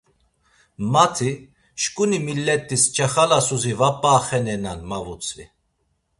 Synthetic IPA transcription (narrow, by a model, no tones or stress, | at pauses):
mat̪ʰi | ʃkʼunimilːɛt̪ʼːist͡ʃʰʼɛχalasuzivapʼːaːχɛnɛnanmavut͡sʼvi